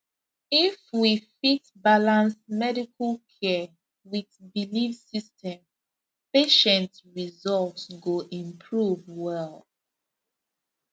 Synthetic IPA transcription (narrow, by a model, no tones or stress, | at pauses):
ifwifitbalãnsmɛdikʰəlkʰɛ | wiðbilifsistɛ̃m | peʃɛ̃ntɹizɔltsɡoʔĩmpʰɹuvwɛl